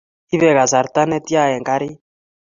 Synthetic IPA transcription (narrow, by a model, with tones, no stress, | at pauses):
i˦βɛ˨ɣa˨sa˨ɾt̪a˦nɛ˦t̪ja˦˨ɛ˨ŋɡa˦ɾi˦